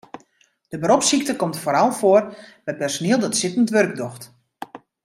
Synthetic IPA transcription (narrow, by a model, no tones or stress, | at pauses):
d̥əbəɾɔpsik̚təkɔmtfoːɾɔlˠfoərbɛjpɛrsoniəlˠdɔtsɪtən̩tʋørɡ̚dɔxt